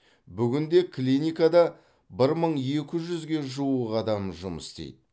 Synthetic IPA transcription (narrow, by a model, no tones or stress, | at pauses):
bʏɡʲɪnd̪e̞kʰlʲinʲijkad̪ɑ | bɪɾməɴje̞kʲɪʒʏzɡʲe̞ʒuəqɑd̪ɑmʒʊmə̰st̪ḛjd̪ɪ